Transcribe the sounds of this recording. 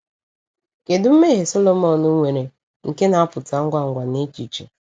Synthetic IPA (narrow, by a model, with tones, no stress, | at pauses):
ke˨dʊ˦m̩˦me˦ɦe˨sɔ˦lo˦mɔ˨nʊ˦ŋʷe˨ɾe˨ | ŋ̩˨ke˦na˨˦a˦pʊ˨ta˨ŋ̩˦ɡʷa˦ŋ̩˨ɡʷa˨ne˦t͡ʃi˨t͡ʃe˨